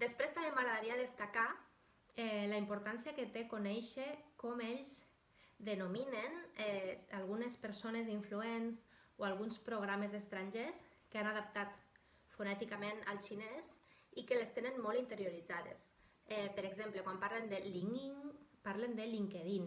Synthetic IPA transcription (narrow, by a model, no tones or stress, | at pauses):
d̪espɾest̪amemaɣɾaðaɾiaðest̪aka | ɛlaimpuɾt̪ansiaket̪ekunɛjʃekɔmeʎz | d̪enominenɛalˠɣunespeɾsoneziɱfluenzoalˠɣ̞unspɾoɣ̞ɾamezest̪ɾaɲʲʒes | keanaðap̚t̪at̪ | funɛt̪ikamena̰lˠt͡ʃines | ikelest̪enenmɔlˠint̪eɾjoɾid͡zaðḛs | ɛpəɾeɡzemplekwampaɾlend̪eliŋiŋpaɾlend̪eliŋkeðin